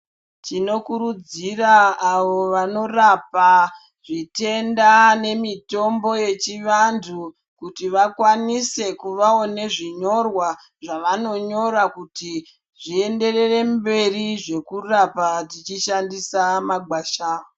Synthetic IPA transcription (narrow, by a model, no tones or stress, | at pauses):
tino̞kuɾud͡ziraːʋoʋano̞rapa | ʐite̞ndane̞mito̞mbo̞je̞t͡ʃiʋantʰu | kutiʋakwanise̞kuʋao̞ne̞ʐiɲo̞rwa | ʐaʋano̞ɲo̞ɾakuti | ʐie̞nde̞re̞re̞mbe̞riʐe̞kurapatit͡ʃiʃandisamaɡwaːʃaːo